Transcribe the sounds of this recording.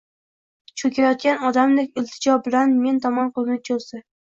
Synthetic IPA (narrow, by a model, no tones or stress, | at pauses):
t͡ʃʰɵkʰʲajɒt̪̚kʲanɒd̪amd̪ekʲɪlt̪ʰɪd͡ʒɒbɪlanme̞nt̪ʰɒmɒnqʊlˠnɪt͡ʃʰolˠsɪ